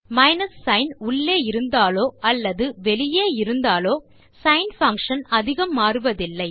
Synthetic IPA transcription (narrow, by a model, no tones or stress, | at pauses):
mɐɪnɐsːɐɪnʊɭːeːɪɾɯnd̪aːloːɐlːɐðɯʋɛlɪjeːɪɾɯnd̪aːloː | sɐɪnfɐŋkʂɐnɐðɪɣɐmːaːɾɯʋɐðɪlːɐɪ